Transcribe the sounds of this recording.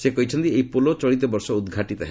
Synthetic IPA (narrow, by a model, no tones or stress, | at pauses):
sekɔɦit͡ʃʰɔnt̪iejpolot͡ʃɔɽit̪ɔbɔɾsɔud̪ɡʱaʈit̪ɔɦe